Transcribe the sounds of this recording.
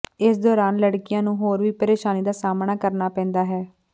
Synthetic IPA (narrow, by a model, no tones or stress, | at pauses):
ɪsd̪ɔːɾaːnləɽkɪjãːnũːɦoːɾʋiːpəɾeːʃaːniːd̪aːsaːmnaːkəɾnaːpɛ̃ːnd̪aːɦɛː